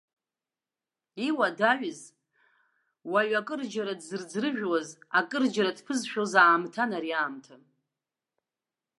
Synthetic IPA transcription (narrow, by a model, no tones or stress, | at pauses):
iwadaɥɨz | waɥakʼɨrd͡ʒaɾadzɨrd͡zrɨʒᶣwazakʼɨrd͡ʒaɾadpʰɨzʃᶣozaːmtʰanaɾiaːmtʰa